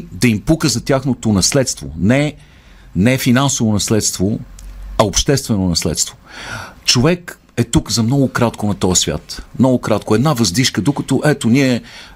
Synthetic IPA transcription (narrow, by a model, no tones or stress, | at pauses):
d̪ɐimpukəzɐt̪ʲjaxnot̪onɐslɛt̪st̪vo̰nɛ | nɛfinansovonɐslɛt̪st̪voɐopʃt̪ɛst̪vɛnonɐslɛ̰t̪st̪vot͡ʃovɛk | ɛt̪ukzɐmnɔɡʊkɾat̪konɐt̪ɔjəsvʲja̰t̪mnɔɡʊkɾat̪koɛd̪navɐzd̪iʃkəd̪okət̪oʔɛt̪oniɛ